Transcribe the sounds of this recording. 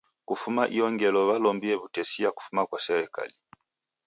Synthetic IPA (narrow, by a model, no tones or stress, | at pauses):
kufumaʔiɔŋɡɛlɔβalɔmbiɛβutɛsijaku̥fumakwasɛɾɛka̰li